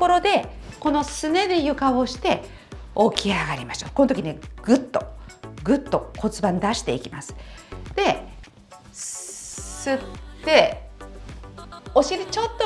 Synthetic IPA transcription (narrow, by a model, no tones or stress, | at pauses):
ko̞ɾo̞d̪e̞ko̞no̞sɨne̞d̪e̞jɯ̟kaβoɕi̥t̪e̞ | okʲiaɡaɾʲimaɕo̞̰ːkonot̪okʲineɡ̥ɯ̟t̪ːo̞̰ɡɯ̟t̪ːo̞ko̞t͡sɨbãnd̪aɕi̥t̪e̞ikʲimasɨ̥d̪̥e̞ | sɨt̪ːe̞ | o̞ɕied̪et͡ɕo̞t̪ːo